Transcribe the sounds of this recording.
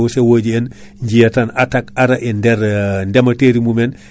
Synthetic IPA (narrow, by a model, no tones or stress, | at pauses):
usewoɟien | ɲɟijatanatakaɾaʔendeɾndemateɾimumen